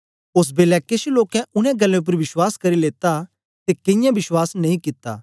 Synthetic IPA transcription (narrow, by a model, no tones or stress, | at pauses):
os̬beːlɛːkesiloːkɛ̃ʊnɛ̃ɡɐlːẽʊp̬əɾʋɪswaːskɐɾileːt̪a | t̪ekɪ̃jãbɪswaːsnɐĩkɪt̪ːa̰ː